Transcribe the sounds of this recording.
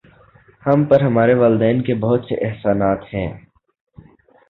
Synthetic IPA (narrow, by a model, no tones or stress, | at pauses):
hɐmpəɾɦɐmaːɾeʋəːlɪd̪ɛːnkebɐɦʊt̪seʔɪɦsaːnaːt̪hɛ̃ː